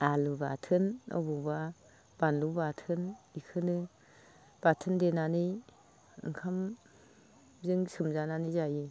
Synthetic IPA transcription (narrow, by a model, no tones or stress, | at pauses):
aluba̰tʰɯnɔ̰bɔba | b̥anlubatʰɯnikʰɯnɯ | b̥atʰɯndenanɯ | ɯ̰ŋkʰam | zɯŋsɯmzananizaji